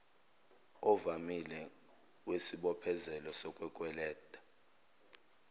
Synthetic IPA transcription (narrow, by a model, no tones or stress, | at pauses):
ɔvamilɛ | wesiɓɔpʰɛzɛlɔsɔkʼwɛkʼwɛlɛːd̥ʼʱḁ